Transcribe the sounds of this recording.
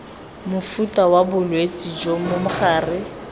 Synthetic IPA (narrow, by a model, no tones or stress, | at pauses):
mʊfutʼawabʊlwet͡sʼid͡ʒomʊmʊχaːrɪ